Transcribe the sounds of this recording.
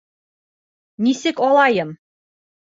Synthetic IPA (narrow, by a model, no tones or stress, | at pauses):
nisɘkɒlˠɑjɤ̆m